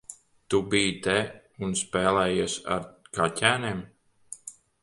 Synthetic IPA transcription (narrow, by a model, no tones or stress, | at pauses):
t̪ubijt̪ɛ | unspɛːlˠɛːjusa̰ɾɡacʲæːnʲeːm